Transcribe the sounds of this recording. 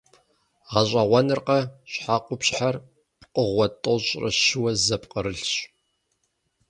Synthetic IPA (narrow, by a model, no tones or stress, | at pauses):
ʁɐɕʷʼɐʁʷɐnɨrqɐɕħaːqʷʊpɕħar | pqʼəʁʷɔtʼoɕʼrɐ̰ɕɪwɐzɐpqʼəɾɨɬɕ